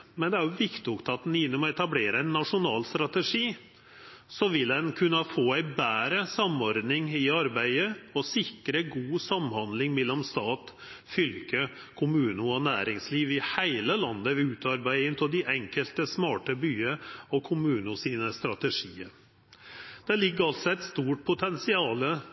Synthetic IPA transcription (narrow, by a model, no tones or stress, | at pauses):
mɛnd̪ɛæɾjʊʋɪkt̪ɪʊkt̪ʰɑːt̪n̩jɪnːɔmɔɛt̪ɑbleːɾəæɪnːɑʂʊnɑːlst̪ɾɑt̪əʂiː | sɔʋɪldɛnkʰʉnːəfoːæɪbæːɾəsɑmɔɾd̪nɪŋɪɑɾbæɪəɔsɪkɾəɡuːsɑmhɑnd̪lɪŋmɛlːɔmst̪ɑːt̪ | fʏlkə | kʰʊmʉːnəɔnæːɾɪŋsliːʋɪhæɪləlɑnːəʋɛʉːt̪ʰɑɾbæɪɪnt̪ɪld̪ɪʔɛŋkəlt̪əsmɑːʈəbyːəɔkʰʊmʉːnʊsiːnəst̪ɾɑt̪əʂiːə | d̪̥ɛlɪɡːəɾɑlt̪sɔɛɪt̪st̪uːʈ̚pʰʊt̪ʰɛnsɪɑːlə